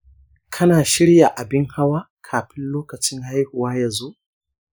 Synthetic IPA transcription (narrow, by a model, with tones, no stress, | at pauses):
kʰɐ˦naː˨ʃɪ˦ɽja˨ʔa˨bɪ˦ŋha˦waː˦ | kʰaː˨ɸɪ˦nloː˦kɐ˨t͡ʃɪ˦ŋha˦jhu˨waː˦jaɐ˨zo˦ʔ